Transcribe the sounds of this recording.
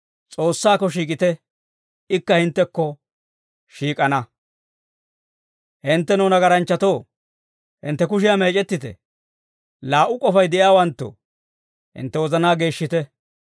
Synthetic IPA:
t͡sʼo̞ːsːaːkːɔʃiːkʼɪt̪ɛ | ɪkːɐhɪnt̪ːɛkːɔ | ʃiːkʼɐnɐ | hɪnt̪ːɛnoːnɐɡɐɾɐnt͡ʃːɐt̪oː | hɪnt̪ːɛk̬ʊʃɪjame̞ːt͡ʃʼɛt̪ːɪt̪ɛ̰ | laːʔʊkʼɔfɐjd̪ɛʔɪjaːwɐnt̪ːo̰ | hɪ̰nt̪ːɛwɔzɐnaːɡe̞ːʃːɪt̪ɛ

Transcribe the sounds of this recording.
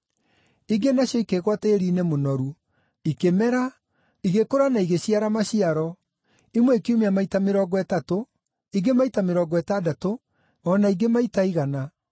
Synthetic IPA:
iɡenaɕjɔikeɣwateeɾiːnemonɔɾu | ikemɛɾa | iɣekoɾanaiɣeɕiaɾamaɕiaɾɔ | imwɛikiumeamaitameɾɔːɡɔɛtato | iɡemaitameɾɔːɡɔɛtadato | ɔnaiɡemaitaiɣana

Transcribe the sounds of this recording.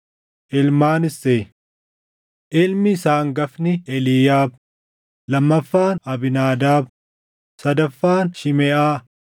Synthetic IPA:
ʔɪlmaːnɪse | ʔɪlmɪːsaːŋɡɐfnɪɛlɪjaːb̚ | lɐmːɐfːaːnɐbɪnaːd̪aːb | sɐd̪ɐfːaːnʃɪmɛːʔaː

